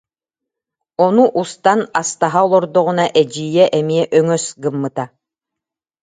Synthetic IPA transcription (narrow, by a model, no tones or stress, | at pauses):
ɔnuʔust̪anast̪aɦaɔlˠɔɾd̪ɔʁunaʔɛd͡ʑiːjɛʔɛmiɛʔœŋœsɡɯmːɯt̪a